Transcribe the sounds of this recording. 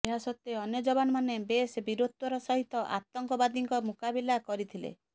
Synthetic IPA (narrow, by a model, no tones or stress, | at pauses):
eɦasɔt̪ːeɔnjɔd͡ʒɔbanɔmanebesbiɾot̪ːɔɾɔsɔɦit̪ɔʔa̰t̪ɔŋkɔbad̪iŋkɔmukabilakɔɾit̪ʰilḛ